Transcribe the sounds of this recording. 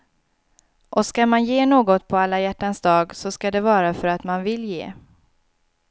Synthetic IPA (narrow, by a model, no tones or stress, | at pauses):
ʔɔskamanjeːnoːɡɔt̪pʰɔalːajæʈːansd̪ɑːɡsɔskad̪ɛvɑːɾafœɾat̪manvɪljḛː